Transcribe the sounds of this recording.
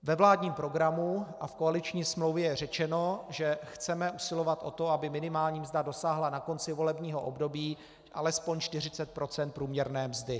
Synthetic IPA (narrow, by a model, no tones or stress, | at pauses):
vɛvlaːdɲiːmpɾo̞ɡɾamuʔafkoalɪt͡ʃɲiːsmlowvjɛjɛr̝ɛt͡ʃɛno̞ʒɛxt͡sɛmɛʔusɪlo̞vat̪ʔo̞t̪o̞abɪmɪnɪmaːlɲiːmzdado̞saːɦlanako̞nt͡sɪvo̞lɛbɲiːɦo̞ʔo̰bdo̞biː | ʔalɛspoɲt͡ʃt̪ɪr̝ɪt͡sɛt̪̚pɾo̞t͡sɛnt̪̚pɾuːmɲɛɾnɛːmzdɪ